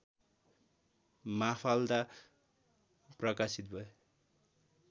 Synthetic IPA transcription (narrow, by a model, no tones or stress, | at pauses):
mapʰald̪a | prʌkasit̪̚bʱʌe